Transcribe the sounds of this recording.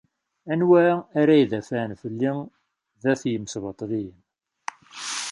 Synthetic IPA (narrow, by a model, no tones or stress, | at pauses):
ænwæaɾæjðæfænfəlːi | ðæθjəmsvɑt̪ˤðiəm